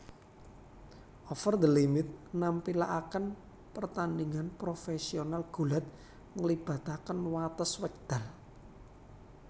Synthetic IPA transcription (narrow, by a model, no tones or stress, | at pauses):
ʔɔfərd̪əlimɪt̪̚nampilaʔakən | pərt̪andiŋanpɾofesionalɡ̥ṳlat̪̚ | ŋəlib̥a̤t̪akənwat̪əswɛk̚d̪̥a̤l